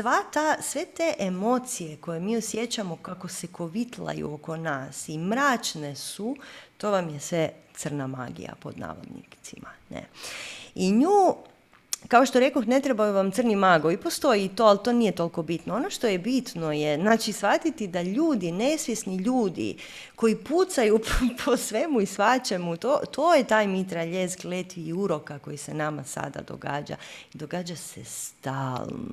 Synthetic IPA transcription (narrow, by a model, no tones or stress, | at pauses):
sʋat̪asʋet̪eʔemo̞t̪sije̞ko̞je̞miːosje̞t͡ɕamo̞kako̞seko̞ʋit̪la̰jṵoko̞naːsimɾaːt͡ʃnesut̪o̞ːʋamjesʋet̪sr̩nama̰ɡḭja̰po̞̰d̪na̰ːʋo̰d̪nḭt̪simanḛ | iɲuː | kaoʃt̪o̞ɾe̞koxne̞t̪ɾebajuʋamt̪srnimaɡoipo̞st̪o̞jiːt̪o̞alt̪o̞ːnijet̪o̞lko̞bit̪noonoʃt̪o̞jebit̪no̞jeznaːt͡ʃisʋat̪it̪id̪aʎuːd̪ine̞sʋje̞sniʎuːd̪ḭ | ko̞iput̪sajupʰosʋemuisʋat͡ɕemut̪ot̪ʰojet̪aːjmit̪ɾaʎesɡlet̪ʋiːuɾo̞kako̞jisenama̰sa̰d̪a̰d̪o̰ɡa̰ːd͡ʒa̰id̪oɡaːd͡ʒasest̪aːlˠno̰